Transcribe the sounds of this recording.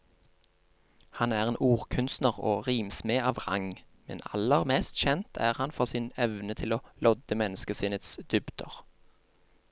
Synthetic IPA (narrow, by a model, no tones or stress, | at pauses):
hɑnæːʁeːnʔuːʁkʰʉnst̪nəʁo̰ːʁiːmsmeːʔɑːʋʁɑ̰ŋ | mɛ̰nɑ̰ləʁmɛːst̪çɛnt̪ʰæ̰ːʁhɑnfɔʁsɪːnɛʋnət̪ʰɪloːlɔd̪əmɛnəskəsiːnət̪sd̪̥ʏbd̪̥əʁ